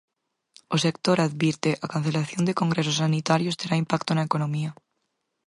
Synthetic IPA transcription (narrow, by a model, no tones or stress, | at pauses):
ose̞k̚t̪oɾaðβjiɾt̪eʔakan̟θe̞laθjo̞nd̪e̞ko̞ŋɡɾes̬osanit̪aɾjo̞st̪eɾaimpak̚t̪oenlaeko̞nõmia